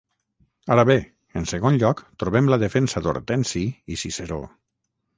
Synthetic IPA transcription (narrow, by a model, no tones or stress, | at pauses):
aɾaβe | ənsəɣonʎɔkt̪ɾuβɛmləðefensad̪o̰ɾt̪ɛnsiisiseɾo̰